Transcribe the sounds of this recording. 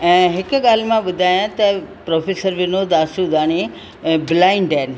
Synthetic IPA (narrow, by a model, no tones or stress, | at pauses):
ɛ̃ːɦɪkɠaːlmãɓʊd̪ʱaːjãt̪ɐpɾoːfʰeːsəɾʋɪnoːd̪aːsud̪aːɽ̃i | bɪlaːɪɳɖɛːn̆